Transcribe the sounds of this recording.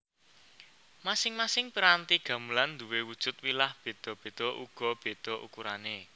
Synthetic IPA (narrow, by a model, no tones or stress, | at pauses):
masɪŋmasɪŋpəɾant̪iɡ̥ä̤mulannd̪uwewud̥ʒ̥ʊ̤t̪̚wilahb̥e̤d̪̥ɔ̤b̥e̤d̪̥ɔ̤ʔuɡ̥ɔ̤b̥e̤d̪̥ɔ̤ʔṵkuɾane